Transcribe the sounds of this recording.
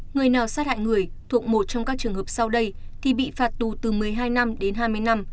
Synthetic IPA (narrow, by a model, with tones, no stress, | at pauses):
ŋɨ˨˩əjnaː˨˩wsaː˦˥ha̰ː˧˨jŋɨ˨˩əjt̪ʰu˨˩ək̚mo˨˩t̚t͡ɕɔ˧ŋ͡mkaː˦˥k̚t͡ɕɨ˨˩əŋɦəː˨˩p̚sa˧wɗə˧jt̪ʰi˨˩ɓḭ˧˨faː˨˩t̚t̪u˨˩t̪ɨ˨˩mɨ˨˩əjɦaː˧jna˧mɗe˨˦nɦaː˧jmɨ˧əjna˧m